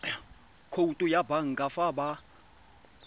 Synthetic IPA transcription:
kʰoutʼujabaŋ̩ɡʼafaba

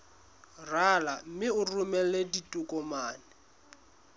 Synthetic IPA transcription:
ralam̩mɪʊrʊmɛleditʼʊkʼɔmaːnɪ

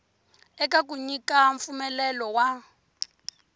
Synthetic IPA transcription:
ɛkakuɲikaɱfumɛlɛlɔwa

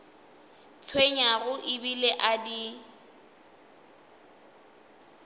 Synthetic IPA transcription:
t͡sʰweɲaɣʊʔɪbileʔadi

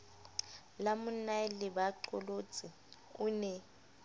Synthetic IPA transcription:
lamʊnalɪbaǃɔlot͡sʼi | ʊnɛ

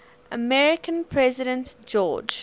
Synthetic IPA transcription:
ʔəmɛɹɪkʰə̃npʰɹɛzɪɾə̃ntd͡ʒɔːd͡ʒ

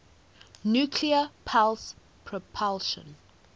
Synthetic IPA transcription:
njukʰliəpʰals | pʰɹɔpʰalʃə̰̃n

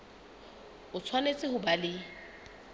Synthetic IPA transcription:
ʊt͡sʰwanet͡sʼɪhʊbalɪ

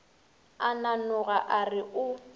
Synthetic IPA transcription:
ananʊɣaʔarɪʔʊ

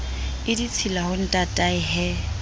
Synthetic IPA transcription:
ɪdit͡sʰilahʊn̩tʼatʼaɪɦɛ

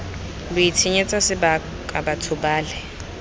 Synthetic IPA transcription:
luitʰiɲɛt͡sʼasɪba | kʼabatʰubaːlɛ

